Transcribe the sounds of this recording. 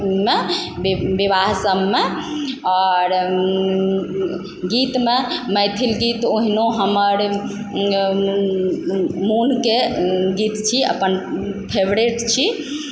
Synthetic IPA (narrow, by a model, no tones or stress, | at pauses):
mebbibaɦsəmːeɔɾ | ɡit̪meməjt̪ʰilɡit̪oɦinoɦəməɾ | munkeɡit̪t͡ʃʰiə̰pənpʰebɾeʈt͡ʃʰi